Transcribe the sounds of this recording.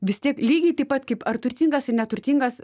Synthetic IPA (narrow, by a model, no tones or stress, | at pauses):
ʋʲɪst̪ʲiɛklʲiːɡʲɛɪt̪ɐɪpɐt̪kɐɪpɐrt̪ʊɾʲt̪ʲiːŋɡɐsɪnʲɛt̪ʊɾʲt̪ʲiːŋɡɐs